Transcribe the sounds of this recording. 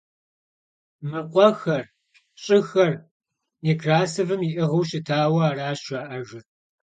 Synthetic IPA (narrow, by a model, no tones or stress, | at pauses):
mɨqʷʼɔxɐr | ɕʼɪxɐr | ekʰraːsɨvɨmiʔɨʁɐwʃɪtʰaːwɐaːraːɕaːʔɐʒɨ